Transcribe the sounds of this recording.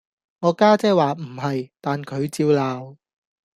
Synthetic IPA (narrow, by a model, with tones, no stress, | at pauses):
ŋɔː˨˧kaː˥t͡sɛː˥waː˨m̩˨˩hɐ˨jt̪aː˨nkʰɵ˨˧ɥt͡siː˧wlaː˨w